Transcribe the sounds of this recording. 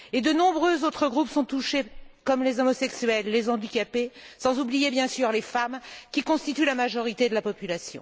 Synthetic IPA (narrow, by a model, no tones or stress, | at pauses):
ed̪ənɔ̃bʁøzot̪χəɡʁupsɔ̃t̪uʃekɔmlezɔmɔsɛksɥɛlːezɑ̃d̪ikʲapesɑ̃zublijebjɛ̃syʁlefamkʲikɔ̃st̪it̪ylamaʒɔʁit̪ed̪əlapɔpylasjɔ̰̃